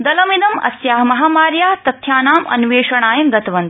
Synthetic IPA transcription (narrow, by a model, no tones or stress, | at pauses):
d̪ɐlɐmid̪ɐmɐ̰sjaːɦmɐɦaːmaːɾjaːt̪ɐt̪ʰjaːnaːmɐ̰nʋeːʂɐɳaːjɐmɡɐt̪ɐʋɐnt̪i̥